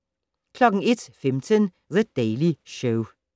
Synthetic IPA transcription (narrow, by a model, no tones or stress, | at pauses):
kʰlɔkəŋ̩ɪt̪fɛmt̪ʰən | ðəd̪̥eɪlɪʃə